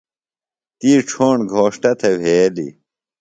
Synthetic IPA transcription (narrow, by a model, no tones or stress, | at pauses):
t̪iːʈ͡ʂʰoːɳɡʱoːʂʈɐt̪ʰewʱeːlḭ